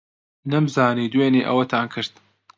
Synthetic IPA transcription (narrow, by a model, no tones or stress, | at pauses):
nɐmzaːniːd̪weːniːʔɐ̰wɐt̪ʰaːnkʰɨɾt̪